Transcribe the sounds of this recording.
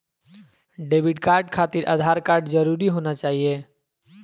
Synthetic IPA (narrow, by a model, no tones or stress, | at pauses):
ɖeːbʱɪʈkaːɾɖkʰaːt̪iɾʔa̰ːd̪ʱaːɾkaːɾɖd͡ʒəɾuɾiɦoːnat͡ʃaːɦije